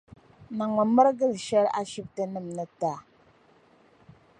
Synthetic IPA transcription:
na˨ŋə˨mə˦ɾɡə˦˨lʃɛ˦ɾa̰˦ʃi˦p̚tə˦nɨ˦˨mnə˦ta˦˨

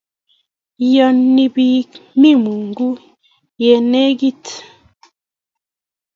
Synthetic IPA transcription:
jɔ˨nːi˨bi˦mi˦mu˨ŋɡu˦ | jɛ˨ne˦ɡi˦t

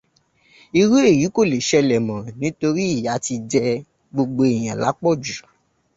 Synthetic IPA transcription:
i˧ɾu˦e˦˨ji˨˦ko˦˨le˨ʃɛ˧lɛ˨mɔ̃˨nĩ˨˦to˧ɾi˦i˦˨ja˨˦ti˧d͡ʒɛ˧ | ɡ͡bo˧ɡ͡bo˧e˨j̃ã˨la̰˨˦k͡pɔ˦˨d͡ʒu˨

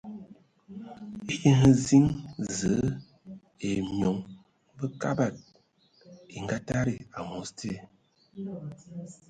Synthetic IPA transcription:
i˦ki˦ɦə˦zi˦ŋzə˨˦ | e˨mjɔ˨˦ŋ | bə˦ka̰˦ba˨t̚ | i˨ŋ˨ɡa˦ta˦ɾi˨a˨mo˨˦stʰe˦˨

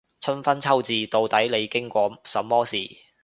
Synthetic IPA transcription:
t͡sʰɵ˥nfɐ˥nt͡sʰɐ˥wt͡siː˨t̪o˨˧wt̪ɐ˨˥jle˨˧jkɪ˥ŋkʷɔː˧sɐ˨mːɔː˥siː˨

